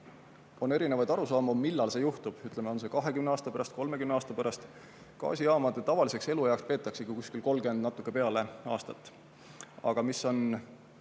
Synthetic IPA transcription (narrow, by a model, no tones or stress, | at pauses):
o̞ne̞ɾine̞vɑjd̪ɑɾusɑːmomilːɑlse̞juht̪ub̥yt̪le̞meo̞ns̬e̞kɑɦe̞kymneɑːst̪ɑpæɾɑst̪̚ko̞lme̞kymneɑːst̪ɑpæɾɑst̪ | kɑ̰ːsʲiɑːmɑd̪̥et̪ːɑvɑlise̞kse̞lujɑokspe̞ːt̪ːˑɑksekukusʲkilko̞lːɡe̞nd̪nɑt̪ːˑukːˑe̞pe̞ɑle̞ɑːst̪ɑt̪ːˑ | ɑ̰ɡ̥ɑmiso̞n